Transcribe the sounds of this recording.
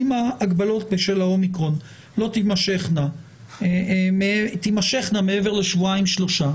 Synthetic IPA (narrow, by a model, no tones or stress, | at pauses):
imaːɡbalo̞t̚beʃelao̞mikʁo̞n | lo̞t̪imaʃe̞χna | met̪imaʃeχname̞evele̞ʃvuaimʃlo̞ʃa